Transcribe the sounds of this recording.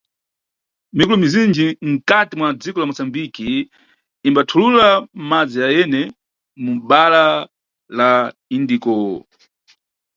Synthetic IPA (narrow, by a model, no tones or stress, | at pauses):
mikulumizind͡ʒiŋ̩katimwad͡zikɔlamusambikiː | mbatʰululamad͡zijajɛnɛ | muɓala | la | indikɔ̰